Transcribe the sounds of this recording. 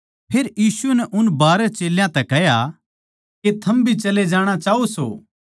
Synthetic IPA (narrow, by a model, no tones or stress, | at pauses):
pʰeːɾjiːsuənɛʔʊnbaːɾɛt͡ʃeːljãt̪ɛkɛɦja | ket̪ʰɐmbʱit͡ʃɐled͡ʒaːɽ̃at͡ʃaːoso̰ː